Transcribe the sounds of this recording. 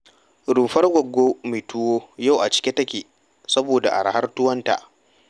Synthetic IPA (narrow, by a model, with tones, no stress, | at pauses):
ɽuː˨ɸɐ˦rɡʷɐ˨ɡːoː˦me˨tʰʊ˦woː˦ja˦˨wʔa˨t͡ʃɪ̥˦kʲi˦tɐ˦kʲeː˨ | sɐ˦boː˨da̰˨ʔa̰˨ɽha˦rtʊ˦wɐ˦nta̰˨ʔ